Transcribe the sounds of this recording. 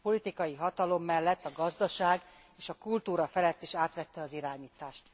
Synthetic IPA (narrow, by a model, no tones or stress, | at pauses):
po̞lit̪ikɒjiɦɒt̪ɒlo̞mːɛlːɛt̪ːɒɡɒzd̪ɒʃaːɡ | eːʃɒkult̪uːɾɒfɛlɛt̪ːeːʃaːt̪ʋɛt̪ːɛɒziɾaːɲiːt̪aːʃt̪